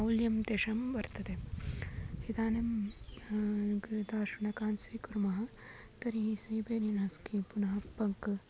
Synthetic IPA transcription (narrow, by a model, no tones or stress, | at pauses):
ɐwljɐmt̪eːʂɐmʋɐɾt̪ɐt̪e | sit̪aːnɐm | d̪aːʃunɐkaːnsɐjkuɾmɐɦɐ̆ | t̪ɐɾiɦisɐjbeːɾinɐskipunɐɦɐpːɐŋk